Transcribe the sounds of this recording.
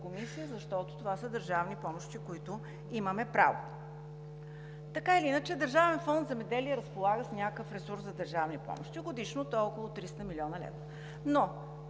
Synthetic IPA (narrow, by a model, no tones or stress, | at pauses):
komisijəzɐʃt̪ɔt̪ʊ̥t̪ovasəd̪əɾʒavnipɔmoʃt̪ikoit̪ʊ | iməmɛpɾa̰vo̰ | t̪ɐkailiinət͡ʃɛd̪əɾʒavɛnfɔnd̪zɛmɛd̪ɛliɛɾəspolˠaɡəsnʲakəfɾɛsuɾszɐd̪əɾʒavnipɔ̰mo̰ʃt̪iɡod̪iʃnot̪ɔlˠkʊlˠot̪ɾist̪əmilʲiɔnəlɛ̰vɾə | no